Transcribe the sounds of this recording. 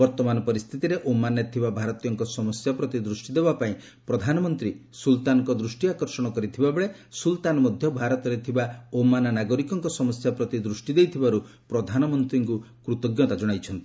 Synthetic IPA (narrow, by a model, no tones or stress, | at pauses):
bɔɾt̪ɔmanɔpɔɾist̪ʰit̪iɾeʔomanet̪ʰibabʱaɾɔt̪ijɔŋkɔsɔmɔsjapɾɔt̪id̪ɾusʈid̪ebapaĩ | pɾɔd̪ʱanɔmɔnt̪ɾi | sult̪anɔŋkɔd̪ɾusʈiakɔɾsɔɽ̃ɔkɔɾit̪ʰibabeɭesult̪anɔmɔd̪ʱjɔbʱaɾɔt̪ɔɾet̪ʰibaomananaɡɔɾikɔŋkɔsɔmɔsjapɾɔt̪id̪ɾusʈid̪ejt̪ʰibaɾu | pɾɔd̪ʱanɔmɔnt̪ɾiŋku | kɾut̪ɔɡjɔt̪ad͡ʒɔɽ̃ajt͡ʃʰɔnt̪i̥